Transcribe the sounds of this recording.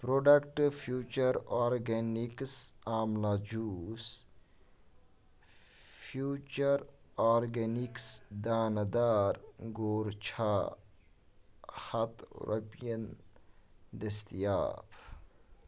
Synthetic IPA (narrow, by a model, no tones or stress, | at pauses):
pɾoɖɐkʈfʰjuːt͡ʃɐɾaːɾɡeniksaːmlaːd͡ʒuːs | fʰjuːt͡ʃɐɾaːɾɡeniksd̪aːnɐd̪aːɾɡoːɾt͡ʃʰaː | hɐt̪ɾɐ̰pjɐn | d̪ɐst̪ija̰ːp